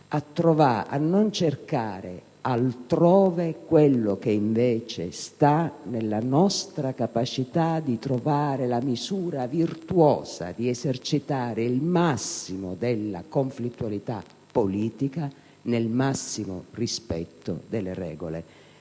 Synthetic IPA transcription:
at̪ːɾovaa̰nːont͡ʃerkaːɾḛ | alt̪ɾɔːvekwelːok̟eiɱvɛːt͡ʃḛst̪anelːanɔst̪ɾakapat͡ʃit̪ad̪it̪ɾovaːɾelamizuːɾavirt̪uɔːza̰d̪iɛzert͡ʃit̪aːɾɪilmasːimod̪elːa̰koɱflit̪ːualit̪a | pːoliːt̪ika | nelmasːimo̰rispɛt̪ːo̰d̪elːerɛ̰ːɡole

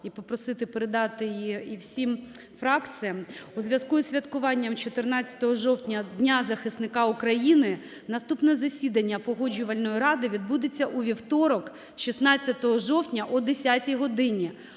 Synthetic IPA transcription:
ipɔpɾɔsɪt̪ɪpeɾed̪ɑt̪ɪjiiwsʲim | fɾɑkt͡sʲɨjɐmuzʲʋʲjɐzkuzʲʋʲɐt̪kʊʋɑnʲːɐmt͡ʃɔt̪ɪrnɑt͡sʲːɐ̥t̪ɔɦɔʒɔwtʲnʲɐdʲnʲazɐxɪsnɪkɑukɾɐjinɪ | nɐst̪upnɛzɐsʲid̪ɐnʲːɐpɔɦɔd͡ʒʊʋɐlʲnɔjiɾɑd̪ɪʋʲid̪bud̪et͡sʲːɐʔuʋʲiwt̪ɔɾɔk | ʃisnɑt͡sʲːɐt̪ɔɦɔʒɔwtʲnʲɐʔɔd̪esʲatʲijɦɔd̪ɪnʲi

